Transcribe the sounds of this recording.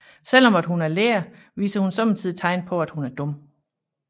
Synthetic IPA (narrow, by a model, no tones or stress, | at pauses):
sel̰ɒ̽mæd̥ɦunæɐleːɐ | ʋḭːsɐhunsɒ̽mnt͡sʰið̰ˠt͡sʰɑ̈ɪ̰npʰɒ̽æd̥hunæɐd̥ɔ̽m